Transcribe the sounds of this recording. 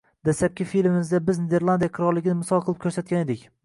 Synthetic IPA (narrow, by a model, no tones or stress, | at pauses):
d̪asap̚kʲɪfilɪmɪzd̪abɪzned̪eɾlˠand̪ijaqʰɨɾɒɾlɪɡʲɪnɪmʊsɒlˠqʰɨlˠɪp̚kʲʰɵɾsat̪̚kʲaned̪ɪkʲ